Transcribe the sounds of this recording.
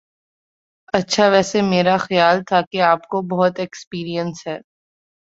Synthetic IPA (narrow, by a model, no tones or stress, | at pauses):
ɐtːʃʰaʋɛːsemeːɾaxɐjaːlt̪ʰakeaːp̚kobɔɦʊt̪ekspiːɾijə̃nsɦɛː